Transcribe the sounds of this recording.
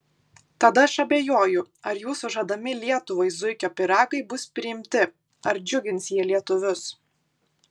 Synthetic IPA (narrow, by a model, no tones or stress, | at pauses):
t̪ɐd̪ɐɐʃɐbʲeːjoːjʊ | ɐɾjuːsʊʒɐd̪ɐmʲɪlʲiɛt̪ʊʋɐɪzʊɪkʲoːpʲɪɾɑːɡɐɪbʊspʲɾʲɪɪmʲt̪ʲɪ | ɐɾd͡ʒʲʊɡʲɪnsjiɛlʲiɛt̪ʊʋʲʊs